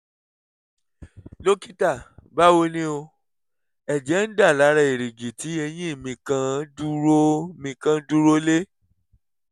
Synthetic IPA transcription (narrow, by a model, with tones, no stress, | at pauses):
lo˦ki˦ta˦˨ba˦wo˧nĩ˦o˧ | ɛ˨d͡ʒɛ˨˦n̩˦da˦˨la˨˦ɾa˧˦i˨ɾi˨ɡi˨ti˨˦e˧j̃ĩ˦i˦˨mĩ˧kã˧du˧˦ɾo˦˨mĩ˧kã˧˦du˦ɾo˦le˦